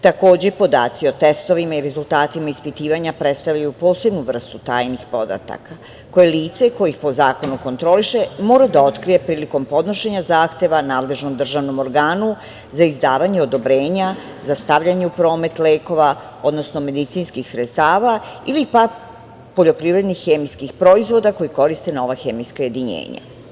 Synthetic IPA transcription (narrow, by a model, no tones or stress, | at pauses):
t̪ako̞ːd͡ʑepo̞d̪a̰ːt̪sio̞t̪est̪o̞ʋimaiɾe̞zulˠt̪aːt̪imaispit̪iːʋaɲapɾe̞t̪st̪avʎajupo̞ːse̞bnuʋr̩st̪ut̪aːjnixpo̞d̪a̰t̪a̰ka | ko̞je̞liːt̪se̞ko̞jixpo̞zaːko̞nuko̞nt̪ɾo̞liʃe̞mo̞ːɾad̪ao̞t̪kɾije̞pɾiːliko̞mpo̞d̪no̞ʃeɲazaːxt̪e̞ʋanaːd̪le̞ʒno̞md̪r̩ʒaʋno̞mo̞ɾɡaːnu | zaizd̪aːʋaɲeo̞d̪o̞bɾe̞ːɲa | zast̪aʋʎaɲeupɾo̞ːme̞t̪le̞ːko̞ʋa | o̞d̪no̞sno̞me̞d̪it̪sinskixsɾet̪st̪aːʋailipa | po̞ʎo̞pɾiʋɾed̪nixːemiskixpɾo̞izʋo̞d̪ako̞jiko̞ɾist̪e̞no̞ʋaxemiskaje̞d̪iɲḛːɲa̰